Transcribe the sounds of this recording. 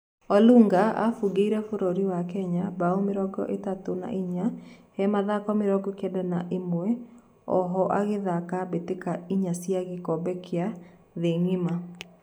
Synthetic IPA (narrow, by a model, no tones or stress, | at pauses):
ɔluŋɡaa̰fuɡeiɾɛfoɾoɾiwakɛɲabaomeɾɔɡɔ̰ʔetatona̰ʔiɲahɛmaðakɔmeɾɔɡɔkɛdɛnaʔemwɛ | ɔ̰ɦɔʔaɣeðakabetekaiɲasiaɣekɔbɛkʰea | ðeŋima